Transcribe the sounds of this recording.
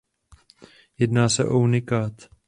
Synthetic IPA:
jɛdnaːsɛ̰ʔounɪkaːt̪

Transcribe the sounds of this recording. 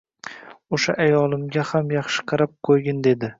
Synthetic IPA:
oʃaʔajɒlˠɪmɡʲahamjɑχʃɪ̥qʰɑɾap̚qʰojɡʲɪnd̪e̞d̪ɪ

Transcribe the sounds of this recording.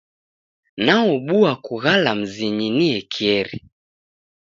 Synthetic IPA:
naɔɓuakuɣalam̩ziɲiniɛkʰiɛɾi

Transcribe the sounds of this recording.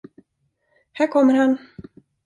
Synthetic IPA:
hæːɾkʰɔmːəɾhan

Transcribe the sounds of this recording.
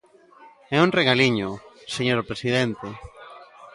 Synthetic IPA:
ɛuŋreɣaliɲʊseɲoɾpɾesið̞ɛnt̪e

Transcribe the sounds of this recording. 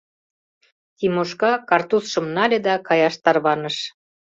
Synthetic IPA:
t̪imoʃkɑkɑrt̪usʃə̆mnɑlʲed̪ɑkɑjɑʃt̪ɑrβɑnəʃ

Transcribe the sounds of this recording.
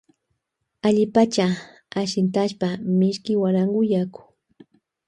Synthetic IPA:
aʎɪpat͡ʃa | aʃɪnt̪aʃpamɪʃkɪwaɾaŋɢʊjakʊ̥

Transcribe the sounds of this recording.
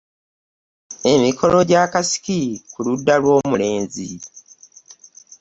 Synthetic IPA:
e̞mikʰo̞lo̞ɟakasi̥kikuludːalwo̞ːmule̞ːnzḭ

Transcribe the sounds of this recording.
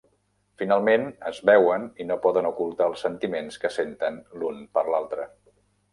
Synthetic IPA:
finalˠmenəzβɛwəninopɔðənukulˠt̪aːlˠsənt̪imenskəsent̪ənlunpəɾlalˠt̪ɾə

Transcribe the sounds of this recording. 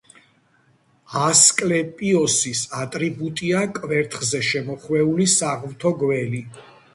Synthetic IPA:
askʼlɛpʼiɔsisat̪ʼɾibut̪ʼiakʼvɛɾt̪ʰχzɛʃɛmɔχwɛulisaʁvt̪ʰɔɡwɛli

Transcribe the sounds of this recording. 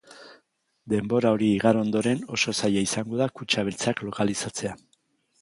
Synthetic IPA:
d̪e̞mbo̞ɾao̞ɾiːɣaɾo̞nd̪o̞ɾe̞no̞so̞sajaisaŋɡo̞ðakut͡ʃaβelt͡saklo̞kalisat͡se̞a

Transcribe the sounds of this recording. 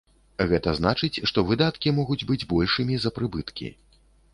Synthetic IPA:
ɣɛt̪ɐzn̪at͡ʂɨt͡sʲʂt̪ɔvɨd̪at̪kʲimɔɣud͡zʲbɨd͡zʲbɔlʲʂɨmʲizɐpɾɨbɨt̪kʲḭ

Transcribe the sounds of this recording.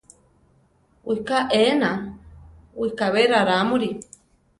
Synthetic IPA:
wikaʔena | wikaβeɾaɾamuɾi

